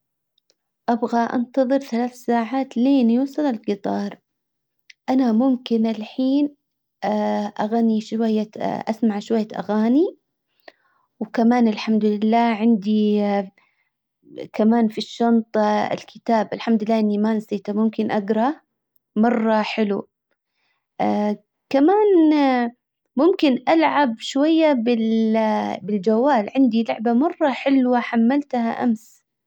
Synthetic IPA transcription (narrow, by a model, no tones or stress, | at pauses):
ʔabɣaʔɑ̰nt̪ɑðˤɨɾθalaːθsaːʕaːt̪leːniwɪsɑlalɡɨt̪ˤɑːɾˤ | ʔanamʊmkɪnɪlħiːn | ʔaɣaniʃwajːaʔasmaʕʃʊwajːaʔa̰ɣaːni | wkamaːnɪlħamd̪ʊlɪlːaːʕɪnd̪i | kamaːnfiʃːɑnt̪ˤɪ̰lkʰɪt̪aːbʔɪlħamd̪lːaːʔɪnːimansiːt̪amʊmkɪnʔaɡɾˤɑ | mɑrˤːɑħɪlṵ | kamaːn | mʊmkɪnʔalʕabʃwajːabɪl | bɪld͡ʒawːaːlʕɪnd̪ilʊʕbamɑrˤːɑħɪlwaħamːalt̪ha̰ʔa̰ms